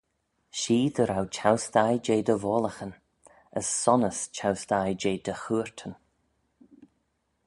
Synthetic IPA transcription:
ʃiːd̪əɾawt͡ʃʰawsd̪ajd͡ʒeːd̪əvɔːləxən | əsːɔnəst͡ʃʰawsd̪ajd͡ʒeːd̪əxuːɹt̪ʰən

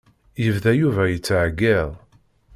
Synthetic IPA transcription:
jəvðæjuvæjət͡sːʕɡːeðˤ

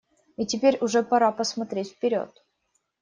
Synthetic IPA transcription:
itʲɪpʲeɾʲʊʐɛpɐɾapəsmɐt̪ɾʲetʲfpʲɪɾʲo̞̰t̪̚

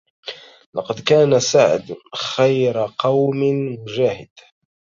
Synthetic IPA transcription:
lɑ̰qɑd̪kaːnasaʕɪ̰d̪xajɾqɑwmɪmʊʒaːhɪd̪̥

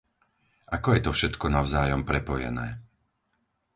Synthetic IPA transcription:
ʔakɔjɛt̪ɔfʃɛt̪kɔnaʊzaːjɔmpɾɛpɔjɛ̰nɛ̰ː

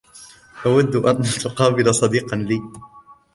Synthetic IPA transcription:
ʔawad̪ːʔant̪ʊqɑːbɪlasˤɑd̪iːqɑnliː

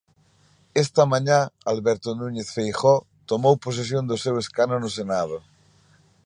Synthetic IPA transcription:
ɛst̪amãɲãalβɛɾt̪onũɲeθfejχɔ | t̪omowpos̬es̬jond̪oseweskanonos̬enað̞o

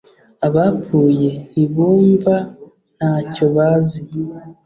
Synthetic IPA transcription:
aβapuːje̞iβuːɱva | naco̞βaːzi

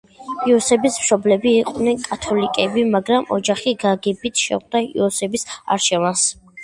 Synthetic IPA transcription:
iɔsɛbismʃɔblɛbiːqʼnɛnkʼat̪ʰɔlikʼɛbimaɡɾamɔ̰d͡ʒaχiɡaɡɛbit̪ʰʃɛ̰ʁd̪aḭɔsɛbisa̰ɾʃʰɛvans

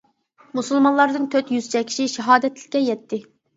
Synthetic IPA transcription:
musɨlˠmɑnlˠɑɾd̪ɨŋt̪ʰøt̪jyz̥t͡ʃʰɛkʲʰi̥ʃiʃɛɦɑːd̪ɛt̪lɪ̥kʲːɛjɛt̪ʰːɪ

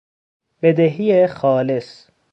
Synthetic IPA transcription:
b̥ed̪eɦijexɒːles

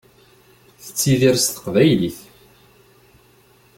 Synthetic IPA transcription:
θət͡sːiðiɾst̪ə̥qvæjliθ

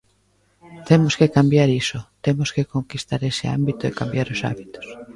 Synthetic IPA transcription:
t̪emoskekambjaɾisot̪emoskekoŋkist̪aɾesea̰mbit̪oekambjaɾosa̰βit̪o̥s

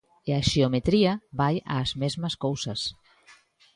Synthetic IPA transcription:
eaʃeomet̪ɾiaβajʔa̰ːzmezməskowsɐs

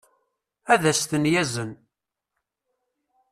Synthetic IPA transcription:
æðæst̪ənjæzən

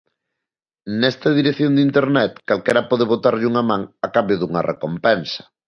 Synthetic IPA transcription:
nɛst̪ɐð̞iɾeθjond̪int̪eɾnɛt̪kalkɛɾɐpɔðeβ̞ot̪aɾʎuŋamãŋakambjoðuŋɐrḛkompɛnsɐ̥

